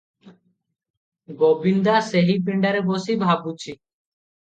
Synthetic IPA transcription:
ɡobind̪aseɦip̬iɳɖaɾɛbosibʱabut͡ʃʰi

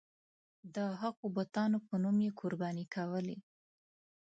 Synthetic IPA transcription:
d̪əɦaɣobʊt̪ɑnopənumjekʰʊɾbɑnikʰawəli

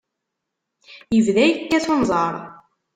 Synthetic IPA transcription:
jəvðæjəkːæθonzˤɑɾˤ

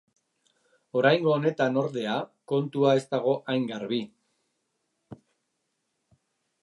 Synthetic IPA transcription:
o̞ɾajŋɡo̞ːne̞t̪ano̞ɾðe̞ako̞nt̪uae̞st̪aɣ̞o̞ʔajŋɡaɾβi

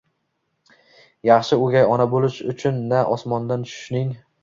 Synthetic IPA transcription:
jɑχʃɪʊɡʲajɒnabolɪʃʊt͡ʃʰʊnːaʔɒsmɒnd̪ant͡ʃʰʊ̥ʃnɪŋ

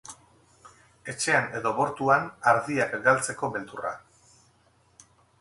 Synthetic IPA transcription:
e̞t͡ʃe̞ane̞ðo̞βo̞ɾt̪uanaɾðiakɡalt͡se̞ko̞βe̞nt̪ura̰

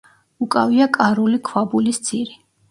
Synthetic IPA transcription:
ukʼaviakʼaɾulikʰwabulist̪sʰʼiɾi

